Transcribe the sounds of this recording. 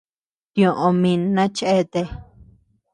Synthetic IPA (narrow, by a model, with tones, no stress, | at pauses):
t̪jõ˨ʔõ˧mĩ˧nã˦t͡ʃe˦t̪e˧